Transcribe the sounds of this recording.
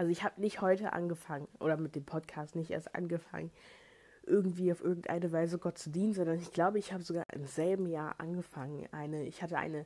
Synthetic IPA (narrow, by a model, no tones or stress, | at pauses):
ʔalzoɪçhaːbənɪçthɔʏtəʔa̰nɡəfaŋənʔo̰ːɾɐmɪt̚d̥eːmpʰɔtkʰaːstnɪçtʔḛɐstʔa̰nɡəfa̰ŋən | ʔɪɐɡŋ̩tv̥iːaʊfʔɪɐɡŋ̩tʔa̰ɪnəvaɪzəɡɔt̚t͡sudiːnənzɔndɐnɪçɡ̥laʊbəɪçhaːbəzoɡaːɐʔɪ̰mz̥ɛlbm̩jaːɐʔa̰nɡəfaŋənʔa̰ɪnəɪçhatəʔa̰ɪnə